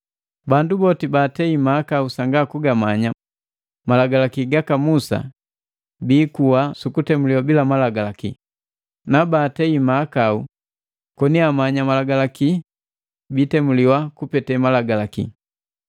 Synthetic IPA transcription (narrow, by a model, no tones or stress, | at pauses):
bandubɔtibaːtɛimakausaŋɡakuɡamaɲa | malaɡalakiɡakamusa̰ | biːkuwasukutɛmuliwabilamalaɡalakḭ | nabaːtɛimaːkau | kɔniamaɲamalaɡalaki | bitɛmuliwakupɛtɛmalaɡalakḭ